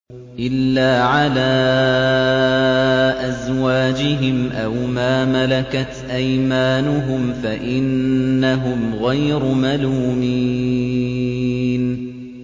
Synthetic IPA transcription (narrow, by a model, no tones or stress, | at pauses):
ʔɪlːaːʕalaː | ʔazwaːd͡ʒɪɦɪmʔawmaːmalakat̪ʔajmaːnʊɦʊmfaʔɪnːaɦʊmɣajɾʊmaluːmi | n